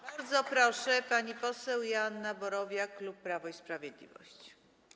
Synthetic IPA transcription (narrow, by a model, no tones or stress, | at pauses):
baɾd̪zɔpɾɔʂɛpaɲipɔsɛwjanːabɔɾɔvʲjaklupːɾavɔispɾavʲjɛd̪lʲḭvɔ̰ɕt͡ɕ